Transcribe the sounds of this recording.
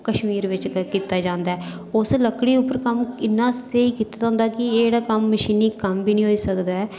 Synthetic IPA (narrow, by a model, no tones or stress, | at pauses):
kəʃmiːɾʋɪt͡ʃkiːt̪aːd͡ʒãːnd̪aːɛː | ʊsləkɽiːʊpːəɾkəmɪnːãːseːiːkiːt̪aːd͡ʒãːnd̪aːkɪeːɽaːkəmːəʃiːniːkəmbiːnĩːɦoːiːsəkd̪aːɛː